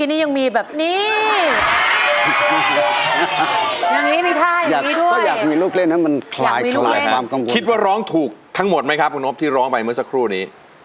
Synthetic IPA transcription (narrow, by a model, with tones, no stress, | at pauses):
kiː˧nːiː˦˥ja˧ŋmiː˧bɛː˨˩p̚niː˥˩ | ja˨˧˩ŋːiː˦˥miː˧t̪ʰaː˥˩ja˨aː˩˨˩iː˦˥du˥˩ɔə˥˩jaː˨˩miː˧luː˥˩k̚le˥˩nːa˦˥ma˧nkʰlaː˨˧˩jmi˧lulaː˧jwaː˧mka˧ŋkʰi˦t̪̚waː˥˩ɾɔː˦˥ŋt̪ʰuː˨˩k̚t̪ʰa˦˥ŋmo˨˩t̪̚ma˦jkʰa˦˥p̚ʰuː˧no˦˥pt̪ʰiː˥˩ɾɔː˦˥ŋpa˧jmɯ˥˩ɐsa˦˥kʰɾuː˥˩niː˦˥